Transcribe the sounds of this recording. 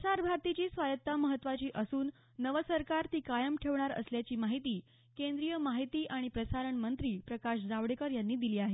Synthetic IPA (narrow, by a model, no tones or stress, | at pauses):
saɾbʱaɾt̪it͡ɕiːsʋajət̪ːaməɦət̪ːʋat͡ɕiːʔəsuːnː | əʋəsəɾkaɾt̪iːkajəmʈʰeʋɳ̃aɾə̰sljat͡ɕiːmaɦit̪iː | kẽnd̪ɾijəmaɦit̪iːʔaɽ̃ipɾəsaɾəɳmənt̪ɾiːpɾəkaɕd͡zaʋɽekəɾjanːiːd̪iliːaɦe